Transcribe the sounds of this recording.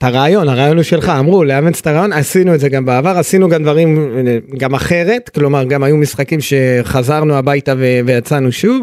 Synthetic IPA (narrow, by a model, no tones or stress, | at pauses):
taʁaːjo̞naʁaːjo̞nuʃe̞lχaːmʁuleament͡st̪aʁaːjo̞nasinuetze̞ɡambeavaʁasinuɡamd̪vaʁimɡamaχe̞ʁe̞tklo̞maʁɡamajumisχakimʃe̞χazaʁnuabajtaveve̞jat͡sanuʃuv